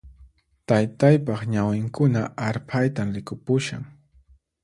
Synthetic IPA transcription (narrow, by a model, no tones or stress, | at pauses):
t̪ajt̪ajpɑχɲawɪŋkʊnaʔaɾpʰajt̪amɾɪkʊpʊʃa̰ŋ